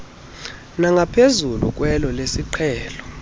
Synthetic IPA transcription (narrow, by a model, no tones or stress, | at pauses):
naŋɡʱapʰezulṵk̬ʼwɛlɔlesiǃʰɛːlɔ